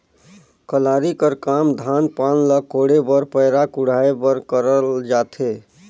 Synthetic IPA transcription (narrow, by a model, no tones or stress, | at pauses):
kəlaɾikəɾkamd̪ʱanpanləkʰoɽebəɾpəjɾakuɽ̤aebəɾkəɾəld͡ʒat̪ʰe